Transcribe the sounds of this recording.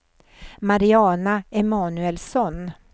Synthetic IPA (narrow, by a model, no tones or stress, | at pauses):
maɾɪɑːnaɛmɑːnʉɛlsɔn